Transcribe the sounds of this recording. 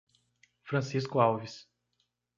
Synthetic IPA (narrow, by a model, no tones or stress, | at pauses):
fɾɐ̃siskʊawvis